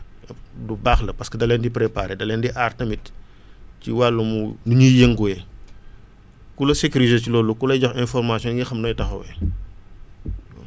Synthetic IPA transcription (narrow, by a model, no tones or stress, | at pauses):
dubaːxlɐpɐskədɐlɛndipɾepa̰ːɾedɐlɛːndiʔartɐmit | ciwalːɐmunuɲujeŋɡujɛ | kulɐsekuɾizet͡ʃilɔːlːukulɐjɟɔxɛnfɔrmasjɔ̃nɡixɐmnɔjtɐxɐ̰wɛ